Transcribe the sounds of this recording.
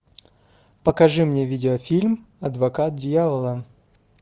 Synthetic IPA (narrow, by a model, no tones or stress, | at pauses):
pəkɐʐɨmnʲevʲidʲɪəfʲilʲmɐd̪vɐkat̪̚dʲjavəlˠə